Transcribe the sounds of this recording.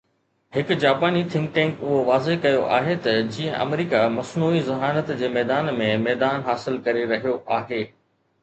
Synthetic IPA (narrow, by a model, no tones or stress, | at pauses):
hɪkʊd͡ʑaːpaːnit̪ʰɪ̃ŋkʈɛ̃ːŋkʊɦoʋaːzekɐjoʔa̰ːɦet̪ɐd͡ʑĩːə̃ʔɐ̰mɾiːkamɐsnuːizɐɦaːnət̪d͡ʑeːmɛːd̪aːnmẽmɛːd̪aːnɦaːsɪlkɐɾiɾɐɦijoʔaːɦeː